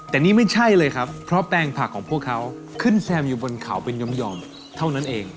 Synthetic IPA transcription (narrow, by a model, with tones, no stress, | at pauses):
t̪ɛː˨˩niː˥˩ma˥˩jt͡ɕʰa˥˩jlɤː˧jkʰɾa˦˥pːʰɾɔ˦˥pɛː˧ŋpʰa˨˩kʰːɔː˩˦ŋpʰu˥˩əkʰːa˦˥w | kʰɯ˥˩nsɛː˧mjuː˨˩bo˧nkʰa˩˦wpe˧njo˦˥mjɔː˧m | t̪ʰa˥˩wna˦˥nʔeː˧ŋ